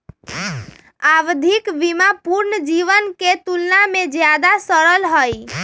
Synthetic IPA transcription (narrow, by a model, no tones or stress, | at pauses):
aʋd̪ʱikbimapuɾnəd͡ʒiʋənket̪ulnamed͡ʒjad̪asəɾəlɦəj